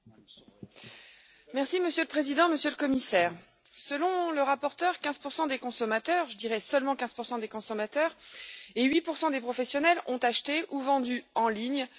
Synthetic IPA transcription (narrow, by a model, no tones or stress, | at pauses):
mɛʁsiməsjøləpχezid̪ɑ̃məsjøləkɔmisɛːʁ | səlɔ̃ləʁapɔʁt̪œʁkʲɛ̃z̥puʁsɑ̃d̪ekɔ̃sɔmat̪œʁʒəd̪iʁɛsəlmɑ̃kʲɛ̃z̥puʁsɑ̃d̪ekɔ̃sɔmat̪œʁeɥipuʁsɑ̃d̪epχɔfɛsjɔnɛlɔ̃t̪aʃt̪eʔuvɑ̃d̪yɑ̃liɲ